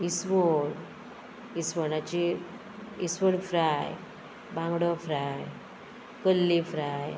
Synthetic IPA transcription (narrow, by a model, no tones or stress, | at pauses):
isʋəɽ | isʋəɽãt͡ɕi | isʋəɽfɾaj | bãŋɡɽɔfɾaj | kəlːifɾaj